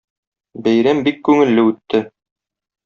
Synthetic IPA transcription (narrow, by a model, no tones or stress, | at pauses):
bæjɾæmbikːʉŋɘ̆lːɘʉt̪ːɘ